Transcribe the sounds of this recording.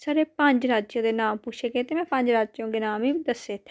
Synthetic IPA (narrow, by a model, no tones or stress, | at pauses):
saːɾeːpəɲd͡ʒɾaːt͡ʃjõːd̪eːnaːmput͡ʃʰeːɡeːt̪eːmɛ̃ːpə̃ɲd͡ʒɾaːd͡ʒt͡ʃjõːɡɪnaːmiːd̪əseːt̪ʰː